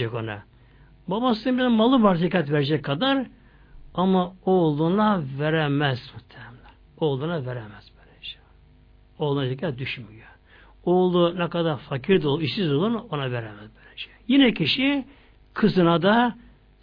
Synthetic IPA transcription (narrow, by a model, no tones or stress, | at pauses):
ɛkona̰ | babasɯbizmalˠɯbaɾt̪ʰikat̪veɾed͡ʒɛkʰːad̪aɾ | amaolˠunaveɾɛmɛz̥mut̪ʰːɛhɛmlʲɛɾ | olˠunaveɾɛmɛz̥bølɛd͡ʒɛ̥ | olˠunat̪ʰikʰɛd̪yʃmyjø | olˠunɛkad̪aɾfakʰiɾd̪olˠiʃsizolˠuɾnonaveɾɛmɛzbølɛd͡ʒɛ̥jinɛkʰiʃi | kʰɯzɯnad̪a